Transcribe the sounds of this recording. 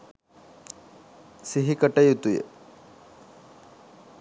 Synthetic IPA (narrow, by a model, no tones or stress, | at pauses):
siɦikəʈɐjut̪ujḛ